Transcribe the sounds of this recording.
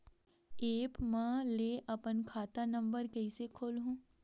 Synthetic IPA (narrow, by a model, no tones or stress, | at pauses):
eːpmɛ̃leːʔɐpənkʰaːt̪anɐ̃mbəɾkɛɪsekʰoːlɦũː